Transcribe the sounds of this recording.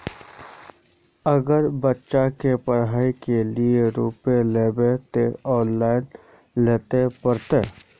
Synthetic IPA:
əɡəɾbətːʃakepəɾɦaːikelieɾuːpeleːbet̪eɔ̃ːnlaːɪn | leːt̪epəɾt̪eː

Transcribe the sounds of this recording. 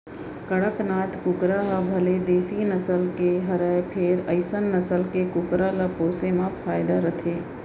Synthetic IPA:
kəɽəknaːt̪ʰkʊkɾaɦabʱəled̪eːsinəsəlkeɦəɾəpʰeːɾəɪsənːəsəlkekʊkɾalapoːsemãpʰaːjɪd̪aɾət̪ʰeː

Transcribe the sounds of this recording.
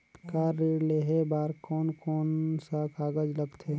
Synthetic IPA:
kaːɾileɦebaːɾkɔːnkɔːnsakaːɡəd͡ʒləɡt̪ʰeː

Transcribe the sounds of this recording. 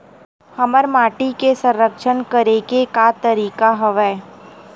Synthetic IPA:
hɐməɾmaːʈikesə̃ɾɾəkʃənkəɾeɡekat̪əɾiːkaɦəʋɛː

